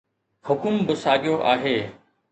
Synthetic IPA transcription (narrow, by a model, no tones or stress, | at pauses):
hʊkʊmbɪsaːɠɪjoʔaːɦeː